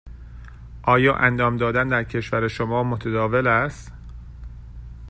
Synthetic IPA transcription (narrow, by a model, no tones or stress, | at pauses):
ʔɒːjɒːʔænd̪ɒːmd̪ɒːd̪ænd̪æɾcʰe̞ʃvæɾeʃomɒːmot̪ʰed̪ɒːve̞læst̪